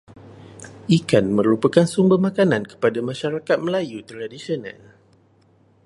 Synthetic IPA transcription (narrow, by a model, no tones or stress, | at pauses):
ʔikanmə̃ɾupəkansumbərmãkanãnkə̥padamãʃaɾakat̪̚məlajut̪əɾadisionã̰l